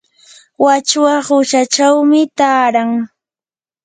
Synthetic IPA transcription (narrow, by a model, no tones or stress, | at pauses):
wat͡ʃwaχʊʃat͡ʃawmɪt̪aːɾaŋ